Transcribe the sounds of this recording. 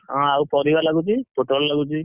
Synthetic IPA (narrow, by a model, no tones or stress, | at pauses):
ɦãawpɔɾibalaɡut͡ʃʰipoʈɾollaɡut͡ʃʰi